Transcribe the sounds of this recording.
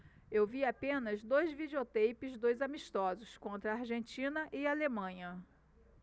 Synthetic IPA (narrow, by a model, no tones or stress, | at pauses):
ewviapẽnɐzd̪ojzvid͡ʒeot̪ejpɪzd̪ojzamiʃt̪ɔzʊskõnt̪ɾɐaɾʒẽnt͡ʃĩnɐʔɪalemɐ̃ɲɐ